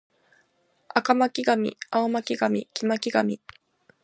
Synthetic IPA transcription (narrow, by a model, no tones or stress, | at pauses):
akamakʲiɡamʲḭaomakʲiɡamʲḭkʲimakʲiɡamʲi